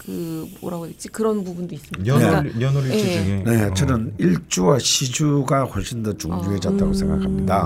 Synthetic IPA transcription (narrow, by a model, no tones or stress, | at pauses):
kɯo̰ɾaɡodet͡ɕ͈ikɯɾʌnpubundois͈ɯmine̞nne̞t͡ɕʌnɯniɭt͡ɕ͈uwaɕʰid͡ʑuɡaxwʌɭɕ͈ʰindʌt͡ɕuŋbuɦe̞d͡ʑʌt̚t͈aɡosʰe̞ŋɡa̰kʰamɲida